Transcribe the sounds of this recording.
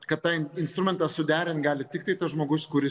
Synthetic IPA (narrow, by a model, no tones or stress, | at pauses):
kɐt̪t̪ɑːɪnst̪ɾʊmʲɛnt̪ɑːsʊd̪ʲæːɾʲɪnt̪ɡɑːlʲɪt̪ʲɪkt̪ɐɪt̪ɐsʒmoːɡʊskʊɾʲɪ